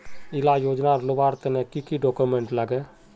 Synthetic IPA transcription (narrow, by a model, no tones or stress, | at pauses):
ɪlajoːd͡ʒnaɾlobaːɾt̪enekikiɖokumẽɳʈləɡe